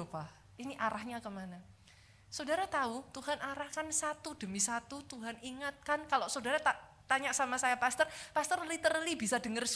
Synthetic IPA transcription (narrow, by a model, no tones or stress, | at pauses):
opah | iniʔaɾahɲakəmana | sodaɾat̪aut̪uɦanʔaɾahkansat̪ud̥əmisat̪ut̪uɦaniŋat̪̚kankalosodaɾat̪a | t̪aɲaʔsamasajapast̪ərpast̪ərlit̪ərlibisadəŋərs